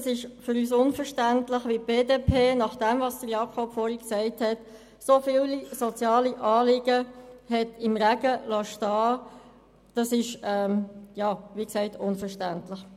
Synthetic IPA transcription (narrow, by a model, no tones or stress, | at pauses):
sɪʃfʏɾyːs̬ʊnfəʃtæntləχʋip̚b̥eːdeːpʰeːnɑχd̥ɛmvɑsd̥əɾjɑːkʰɔpfɔːɾhiksɛɪthɛt | sofɪːllisot͡sjɑːliʔɑːlɪɡ̥əhɛtɪmʁæɡ̥əlɑʃtɑː | d̥ɑsɪʃɛmjɑːʋiːksɛɪtʰʊnfəʃtæntlɪχ